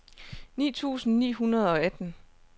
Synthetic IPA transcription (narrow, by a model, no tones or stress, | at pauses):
nḭːt͡sʰṵːsn̩nḭːɦunɐð̞ˠɒ̽æd̥n̩